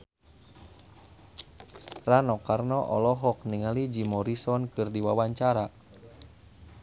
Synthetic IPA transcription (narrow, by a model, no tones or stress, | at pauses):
ranɔkarnɔʔɔlɔɦɔk̚niŋalid͡ʒimɔɾisɔnkɨrdiwawaɲt͡ʃaɾa